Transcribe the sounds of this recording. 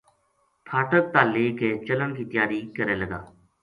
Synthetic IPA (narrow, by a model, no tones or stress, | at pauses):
pʰaːʈʰək̚t̪aːleːkeːt͡ʃələnkiːt̪jaːɾiːkəɾẽːləɡa̰ː